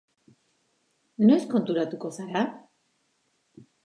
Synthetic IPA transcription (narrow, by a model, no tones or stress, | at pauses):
no̞e̞sko̞nt̪uɾat̪uko̞saɾa